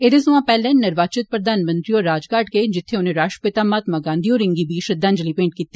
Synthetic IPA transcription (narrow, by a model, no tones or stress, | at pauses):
eːd̪eːsʊmãːpɛːlɛ̃nɪɾʋaːt͡ʃɪt̪̚pɾəd̪aːnmə̃nt̪ɾiːoːɾaːd͡ʒkaʈ̚ɡəed͡ʒɪt̪ʰːeʊnẽːɾaːʃʈɾə̥pɪt̪aːmaːt̪maːɡãːnd̪iːoːɾɪ̃ŋɡiːbiːʃəd̪ãɲd͡ʒliːpẽːɳʈ̚kit̪ːe